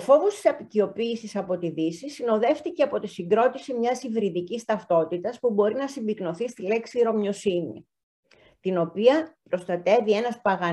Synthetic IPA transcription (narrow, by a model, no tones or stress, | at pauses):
ofo̞vost̪i̥sɐpicio̞piːsisɐpo̞t̪iðisisino̞ðe̞ft̪iceɐpo̞t̪isiŋɡɾo̞t̪isimɲɐsivɾiðicist̪ɐft̪o̞t̪it̪ɐspubo̞ɾinɐsimbikno̞θist̪ile̞ksiɾo̞mɲo̞sinḭ | t̪ino̞piɐpɾo̞st̪ɐt̪e̞vie̞nɐspɐɣɐ